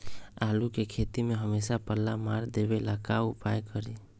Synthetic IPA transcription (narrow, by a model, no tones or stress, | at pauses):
alukekʰet̪imeɦəmesapəlːamaɾd̪ebelakaupajkəɾi